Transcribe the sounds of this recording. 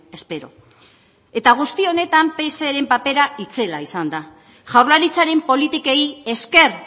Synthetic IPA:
e̞spe̞ɾo̞̰ | e̞t̪aɣ̞ust̪io̞ne̞t̪ampe̞seɾe̞mpape̞ɾait͡se̞laisand̪a | ʝawɾlaɾit͡saɾe̞mpo̞lit̪ikeje̞ske̞r

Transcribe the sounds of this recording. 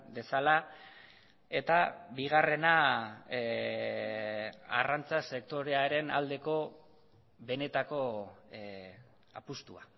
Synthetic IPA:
be̞sala | e̞t̪abiɣ̞are̞na | a̰rant͡sase̞kt̪o̞ɾe̞aɾe̞na̰ld̪e̞ko̞ | βe̞ne̞t̪ako̞ | a̰pust̪ṵa̰

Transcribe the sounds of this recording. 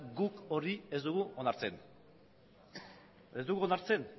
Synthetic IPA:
ɡuko̞rie̞zd̪uɣuonaɾt͡sen | e̞zd̪uɣuonaɾt͡se̞n

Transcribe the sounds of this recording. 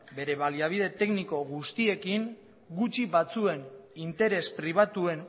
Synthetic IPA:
be̞ɾe̞βaliaβ̞iðe̞t̪e̞kniko̞ɣust̪ie̞kiŋ | ɡut͡ʃiβat͡sue̞nint̪e̞ɾe̞spɾiβ̞at̪ue̞n

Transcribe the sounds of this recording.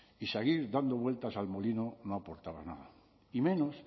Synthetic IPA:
iseɣiɾd̪and̪oβwe̞lt̪asalmo̞linonoapoɾt̪aβa̰zna̰ða | imẽ̞nos

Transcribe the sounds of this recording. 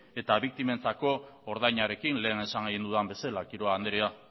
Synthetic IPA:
e̞t̪aβik̚t̪ime̞nt͡sako̞ːɾðajɲaɾe̞kinle̞ːne̞saŋɡejnd̪uðambe̞selakiɾo̞aːnd̪eɾea

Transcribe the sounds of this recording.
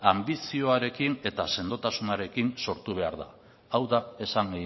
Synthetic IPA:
ambisio̞aɾe̞kine̞t̪ase̞nd̪o̞t̪asunaɾe̞kinso̞ɾt̪uβ̞e̞aɾða̰ː | wðae̞saŋɡe

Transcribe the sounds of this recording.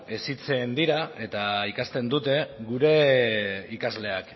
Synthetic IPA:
esit͡se̞nd̪iɾae̞t̪aikast̪e̞nd̪ut̪e̞ɡuɾe̞ | ikazle̞ak

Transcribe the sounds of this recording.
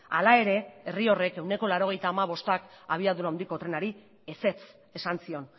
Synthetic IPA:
a̰lae̞ɾe̞erio̞re̞ke̞wne̞ko̞laɾo̞ɣ̞e̞jt̪aːmaβ̞o̞st̪akaβ̞iaðuɾaownd̪iko̞t̪ɾe̞naɾi | e̞se̞t͡s | e̞sansio̞n

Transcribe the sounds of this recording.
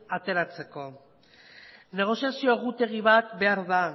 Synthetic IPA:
at̪e̞ɾat͡se̞ko̞ | ne̞ɣ̞o̞siasio̞eɣut̪e̞ɣ̞iβat̪be̞aɾða

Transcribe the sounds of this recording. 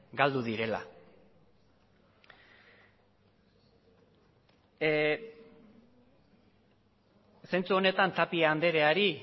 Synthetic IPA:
ɡald̪uðiɾe̞la̰ | sent͡suo̞ne̞t̪ant̪apiaːnd̪e̞ɾe̞aɾi

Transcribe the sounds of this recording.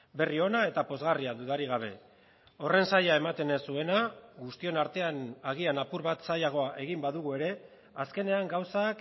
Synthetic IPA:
be̞rio̞nae̞t̪apo̞zɣariaðuðaɾiɣ̞aβ̞e̞ | o̞re̞nsaʎae̞mat̪e̞nesue̞naɣust̪io̞naɾt̪e̞anaɣ̞ianapuɾβat̪sajaɣ̞o̞aʔe̞ɣ̞imbaðuɣ̞ue̞ɾe̞ | aske̞ne̞aŋɡawsak

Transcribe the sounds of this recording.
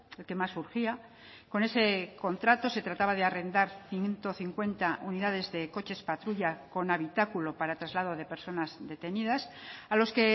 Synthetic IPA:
e̞lke̞masːuɾxia | ko̞ne̞se̞ko̞nt̪ɾat̪o̞se̞t̪ɾat̪aβað̞eare̞nd̪aɾθjint̪o̞θiŋkwe̞nt̪auniðað̞e̞zðe̞ko̞t͡ʃe̞spat̪ɾuʎako̞naβit̪akulo̞paɾat̪ɾazlað̞o̞ð̞e̞pe̞ɾso̞nazðe̞t̪e̞niðasalo̞ske̞

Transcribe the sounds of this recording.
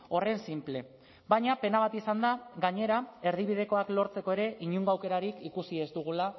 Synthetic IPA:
o̞re̞nsimple̞ | baɲape̞naβ̞at̪isand̪aɣaɲe̞ɾae̞ɾð̞iβ̞ið̞e̞ko̞aklo̞ɾt͡se̞ko̞e̞ɾe̞ʔiɲuŋɡoawke̞ɾaɾikikusie̞zd̪uɣ̞ula

